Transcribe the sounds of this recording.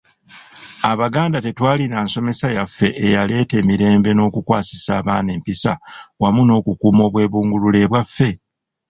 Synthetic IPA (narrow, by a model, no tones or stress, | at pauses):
aβaɡaːndate̞twaːlinaːnso̞me̞sajafːe̞ʔːjale̞ːte̞ːmiɾe̞ːmbe̞no̞ːkukwaːsi̥saːβaːneːmpisawamuno̞ːkukuːmo̞ːβwe̞ːβuːŋɡulule̞βwafːe̞